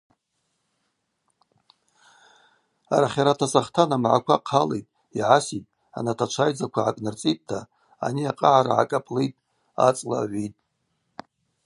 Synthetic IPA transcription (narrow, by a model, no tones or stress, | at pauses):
aɾaχʲaɾatʰasaχtʰanamʕa̰kʷʰaqʰalḛjtʼ | iʕasitʼ | a̰natʰat͡ʃʷʰajd͡zakʷʰaʕakʼnɨrt͡sʼit̚ʼtʰa | a̰niaqʼaʕaɾa̰ʕa̰kʼapʼlejtʼ | a̰t͡sʼlaʕʷitʼ